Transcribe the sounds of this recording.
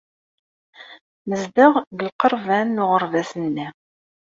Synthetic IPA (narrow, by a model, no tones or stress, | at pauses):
məzd̪əʁɡəlqəɾˤvænːʊʁəɾˤvæsənːæ